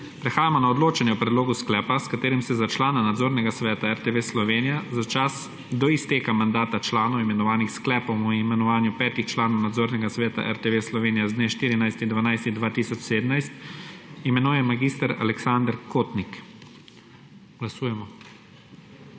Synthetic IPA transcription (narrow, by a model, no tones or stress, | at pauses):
pɾɛxaːjamɔnaɔd̪loːt͡ʃɛnjɛwpɾɛd̪loːɡusklɛːpaskat̪eːɾimsɛzat͡ʃlaːnanad̪zoːɾnɛɡasʋɛːt̪aɛɾt̪eʋeslɔʋeːnijazat͡ʃas | d̪ɔist̪eːkamand̪aːt̪at͡ʃlaːnɔwimɛnɔʋaːnixsklɛːpɔwɔimɛnɔʋaːnjupɛːt̪ixt͡ʃlaːnɔwnad̪zoːɾnɛɡasʋɛːt̪a̰ʔɛɾt̪eʋeslɔʋeːnijazd̪neːʃt̪iːɾinajst̪ind̪ʋanajst̪ind̪ʋaːt̪iːsɔt͡ʃseːd̪əmnajst̪imɛnuːjɛmaɡiːst̪aɾa̰lɛksand̪ɾkoːt̪nik | ɡ̥lasuːjɛmɔ